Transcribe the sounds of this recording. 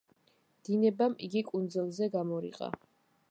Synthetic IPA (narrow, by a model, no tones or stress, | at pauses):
d̪̥inɛbamḭɡikʼund̪zɛlˠzɛɡamɔɾḭqʼa̰